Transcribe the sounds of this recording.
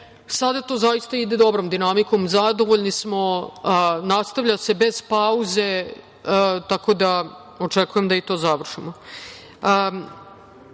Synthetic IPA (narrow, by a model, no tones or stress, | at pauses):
sad̪at̪o̞ːzajist̪aid̪e̞d̪o̞bɾomd̪inamiko̞mzad̪o̞ʋoʎnismo̞ | nast̪aʋʎase̞be̞z̥pauze̞ | t̪ako̞d̪a | o̞t͡ʃekujemd̪ait̪o̞ːzaʋr̩ʂimo